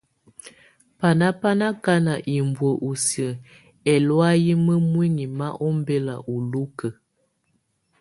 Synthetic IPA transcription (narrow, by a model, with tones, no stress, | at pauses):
pa˨na˦pa˦na˦ka˦na˨ʔi˨mbwə˨ʔu˨sə˨ | ɛ˨lwa˦ji˦mə˦mwi˦ŋi˨ma˦ʔɔ˦m˦bɛ˦la˨ʔu˨lu˦kə˨